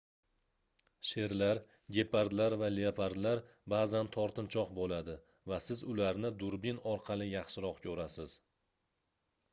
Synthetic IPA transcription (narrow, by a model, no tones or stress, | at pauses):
ʃe̞ɾlaɾ | ɡʲe̞paɾd̪laɾvaleapʰaɾd̪laɾ | bazant̪ʰɒɾt̪ɪnt͡ʃʰɒqbolad̪ɪ | vasɪzʊlaɾnɪd̪ʊɾbinɒɾqʰɑlˠɪjɑχʃɪɾɒqkʲʰɵɾasɪz̥